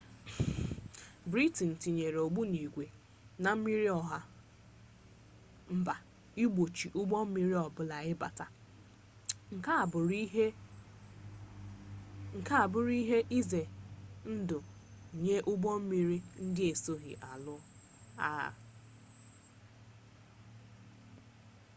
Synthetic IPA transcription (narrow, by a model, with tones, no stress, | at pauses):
bɾi˦ti˨n̩˨ti˨ɲe˨ɾo˨ɡ͡bu˦ni˨ɡʷe˨ | na˨m̩˦mi˦ɾi˦ɔ˨ɦa˦ | m̩˦ba˨ | i˦ɡ͡bʷo˨t͡ʃi˨ʔʊ˦ɡ͡bɔ˦m̩˦mi˦ɾi˦ɔ˨bʊ˦la˨ɪ˦ba̰˨ta˨ | ŋ̩˨ka˦˨˦ | ŋ̩˨ka˦˨bʊ˦ɾi˦ɦe˦ʔi˦ze˨n̩˦dʊ˨ɲe˦ʔʊ˦ɡ͡bɔ˦m̩˦mi˦ɾi˦n̩˦dɪ˦e˨so˦ɦi˨ʔa˨lʊ˦ | a̰˦˨